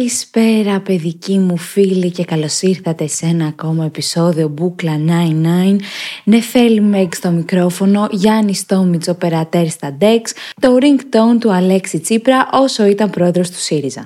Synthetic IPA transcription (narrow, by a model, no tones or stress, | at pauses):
ɐlispe̞ɾɐpe̞ðicimufilice̞kɐlo̞siɾθɐt̪e̞se̞nɐːko̞mɐe̞piso̞ðio̞buklɐnɐjnːɐjnne̞fe̞limekst̪o̞mikɾo̞fo̞no̞ʝɐnist̪o̞mit͡so̞pe̞ɾɐt̪e̞ɾst̪ɐd̪e̞kst̪o̞ɾiŋɡt̪ont̪uɐle̞ksit͡sipɾɐʔo̞so̞it̪ɐmpɾo̞e̞ðɾo̞st̪u̥siɾizɐ̰